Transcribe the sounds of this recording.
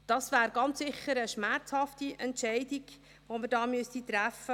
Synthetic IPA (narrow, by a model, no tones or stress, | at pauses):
d̥ɑsʋæːɾɡɑnt͡ssɪχəɾəʃmært͡shɑftiʔɛntʃɛɪdiɡ̥ | ʋoməɾdɑːmʏstit̪ɾæfə